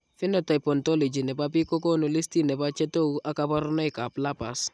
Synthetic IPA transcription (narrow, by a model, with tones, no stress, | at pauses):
fɪ˦nɔ˨ta˨jpɔ˨ntɔ˦lɔ˨d͡ʒi˨nɛ˨pa˦p̬i˦ko˦k̬o˦no˨li˦sti˦nɛ˨pa˦t͡ʃɛ˦to˦u˦ʔa˦ka˦bɔ˦ɾɔ˦nɔ˦ɪ˨ka˨pla˦pa˨s